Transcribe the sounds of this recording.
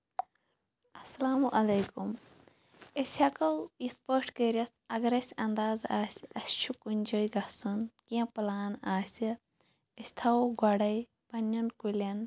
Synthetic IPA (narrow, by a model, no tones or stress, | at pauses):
ɐsɐlaːmuʔɐlɐjkum | esʲɐkɐwispəːʈkeɾʲɐs | ɐɡɐɾɐsʲɐnd̪aːzaːsʲɐst͡ʃʰukunʲd͡ʒojɡɐsunkiɐ̃pɐlaːnaːsʲi | ɐsʲt̪ʰɐwɡɐɽɐj | pɐnɐnkulʲɐn